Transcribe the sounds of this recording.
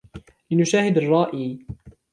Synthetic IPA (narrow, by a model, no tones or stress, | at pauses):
lɪnʊʃaːhɪd̪ɑrˤːɑːʔiː